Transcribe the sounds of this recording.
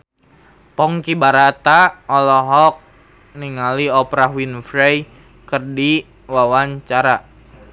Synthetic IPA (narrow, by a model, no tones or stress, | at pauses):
pɔŋkibaɾat̪aɔlɔɦɔk̚ | niŋaliɔpɾaɦwinfɾɛj | kərdi | wawaɲt͡ʃaɾa